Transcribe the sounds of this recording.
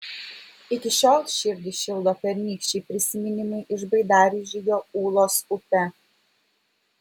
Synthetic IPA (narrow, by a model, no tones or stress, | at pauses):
ɪkʲɪʃʲoːlˠʃʲɪɾʲd̪ʲɪʃʲɪlˠd̪oːpʲɛɾʲnʲiːkʃʲt͡ʃʲɛɪpʲɾʲɪsʲɪmʲɪnʲɪmʲɐɪʔɪʒbɐɪd̪ɑːɾʲɪʒʲɪjoːuːlˠoːsʊpʲɛ